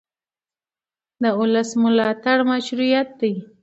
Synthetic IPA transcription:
d̪əʊləsmʊlɑt̪aɽmaʃɾujat̪̚d̪aj

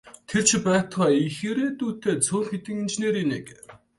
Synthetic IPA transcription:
t̪ʰert͡ɕʰpæːt̪χæːixeːɾeːt̪uːt̪eːt͡sʰʊːrxet̪ɘ̆ŋint͡ɕneːɾinḛk

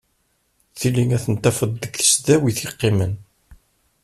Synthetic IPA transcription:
θiliŋæθənt̪ːæfəd̪ːəɡθə̥sðæwiθiqːɪmən

